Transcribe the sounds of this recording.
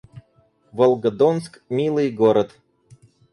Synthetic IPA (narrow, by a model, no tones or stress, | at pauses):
volˠɡə̆d̪onskmʲilˠɨjɡoɾə̆t̪